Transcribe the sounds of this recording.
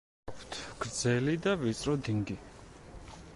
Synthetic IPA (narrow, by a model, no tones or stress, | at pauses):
pʰt̪ʰɡ̥ɾd̪zɛlid̪avit̪sʼɾɔd̪iŋɡi